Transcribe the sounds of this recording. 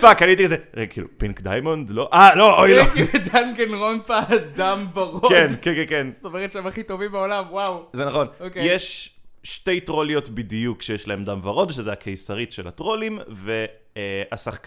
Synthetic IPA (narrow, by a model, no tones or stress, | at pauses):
fakalit̪̬iezeekḭːlṵpiŋkdajmondlo̞ʔaloʔojlved̪anɡenʁonfad̪amvaʁokenkekekensomeʁetʃemaχit̪o̞vimbeolamwawzenaχo̞nokjeʃʃte̞jtʁo̞lijo̞tbidjukʃejeʃlaemdamvaʁo̞dʃezeakʰejsaʁitʃḛla̰tʁo̞limve | asaχk